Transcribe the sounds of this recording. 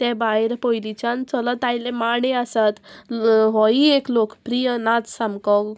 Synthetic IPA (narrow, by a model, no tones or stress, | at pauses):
t̪ɛ̃bajɾpɔilit͡ɕant͡sɔlɔt̪ajlẽmaɽeəsat̪ | ɦɔieklokpɾijənat͡ssamkɔk